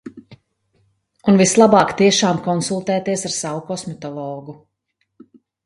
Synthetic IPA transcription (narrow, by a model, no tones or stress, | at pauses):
unvislˠabɑːkt̪iɛʃaːmkɔnsulˠt̪ɛːt̪iɛsaɾsavukɔsmɛt̪ɔlˠɔːɡu